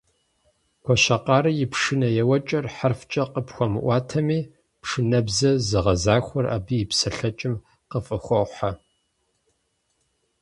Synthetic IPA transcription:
kʷʰɔʃɐqɑːɾɨjɪpʂɨnɐjɛwɐt͡ʃʼɐrħarft͡ʃʼɐqəpxʷɔmɨ̰ʔʷɑːtʰɐmiː | pʂɨnɐbzɐzɨʁɐzaːxʷɔra̰bijɪpsɐɬɐt͡ʃʼɪm | qəfʼɨxʷɔħa

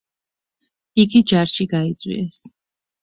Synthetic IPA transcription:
iɡid͡ʒaɾʃiɡait̪sʼwḭɛs

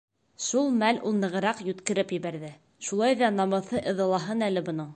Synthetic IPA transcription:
ʃulˠmælulˠnɤ̆ʁɤ̆ɾɑqjɵ̆t̪kɘ̆ɾɘpjɘ̆βæɾðɘ | ʃulˠɑjðɑnɑmɤ̆θɤʔɤ̆ðɤ̆lˠɑɦɤnælɘbŏnɤɴ

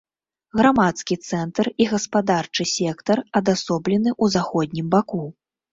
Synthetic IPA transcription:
ɣɾamat̪skʲit̪sɛnt̪ɐriɣɐspad̪art͡ʂɨsʲɛkt̪ɐrɐd̪asɔblʲɛn̪ɨʔuzaxɔd̪ʲnʲimbaku

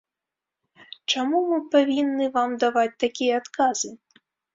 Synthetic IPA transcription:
t͡ʂamumɨpavʲinːɨvamd̪avat͡sʲt̪akʲijɛat̪kazɨ

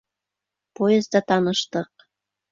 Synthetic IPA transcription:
pojəzd̪ɑt̪ɑnəʃt̪ɤ̆q̚

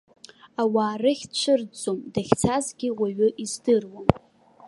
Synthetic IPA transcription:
awaːrɨχʲt͡ʃʷʰɨrt͡sʼomdaχʲt͡sʰazɡʲɪwʷaɥʏʔizdɨrwam

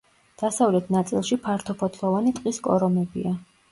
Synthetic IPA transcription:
d̪̥asavlɛt̪ʰnat̪sʼilˠʃipʰaɾt̪ʰɔpʰɔt̪ʰlˠɔvanit̪ʼqʼiskʼɔ̰ɾɔmɛbḭa

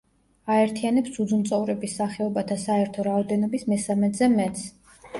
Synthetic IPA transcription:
aɛɾt̪ʰianɛpsud̪zmt̪sʼɔvɾɛbisːaχɛɔbat̪ʰasaɛɾt̪ʰɔɾaɔd̪ɛnɔbismɛsamɛt̪zɛmɛt̪s

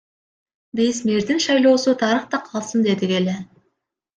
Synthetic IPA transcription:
besme̞ɾd̪ɪnʃɑjlˠo̞ːsut̪ʰɑɾəqt̪ɑqʰɑlˠsənd̪e̞d̪ɪɡe̞le

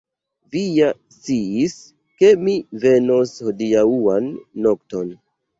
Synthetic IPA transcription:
vijast͡siis | ke̞mive̞nosho̞diauanːo̞kto̞n

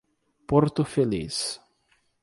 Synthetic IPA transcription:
poɾt̪ʊfelḭs

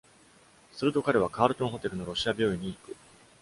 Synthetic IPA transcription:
sɨɾɯ̟t̪o̞kaɾe̞β̞akaːɾɯ̟t̪õ̞ɰ̃ɦo̞t̪e̞ɾɯ̟no̞ɾo̞ɕiabʲo̞ːiɲ̟iːkɯ̟

